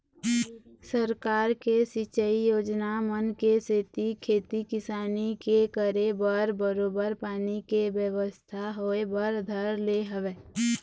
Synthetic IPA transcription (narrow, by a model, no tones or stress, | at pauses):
səɾkaːɾkesit͡ʃəijoːd͡ʒnamənkeset̪ikʰeːt̪ikɪsaːnikekəɾebəɾbəɾoːbəɾpaːnikebjəʋəst̪ʰaɦoebəɾd̪ʱəɾleɦəʋeː